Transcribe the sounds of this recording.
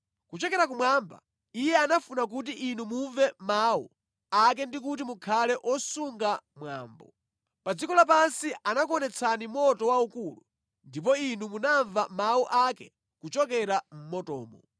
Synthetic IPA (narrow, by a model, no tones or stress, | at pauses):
kut͡ʃɔkɛɾak̬umwamba̰ | ijɛanafunak̬ut̬iʔinumuɱvɛmaṵ | ak̬ɛndik̬ut̬imukʰalɛʔɔsuŋɡamwa̰ːmbɔ̰ | pad͡zikɔlap̬ansianakɔnɛt͡sʰanimɔtɔwaukulṵ | ndip̬ɔinumunaɱvamauʔakɛ | kut͡ʃɔkɛɾam̩mɔtɔ̰ːmɔ